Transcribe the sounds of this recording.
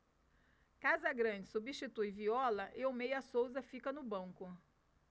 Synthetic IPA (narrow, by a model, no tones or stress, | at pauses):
kazɐɡɾɐ̃d͡ʒɪsubiʃt͡ʃit̪ujviɔlɐʔɪomejɐsowzɐfikɐnʊbɐ̃ŋkʊ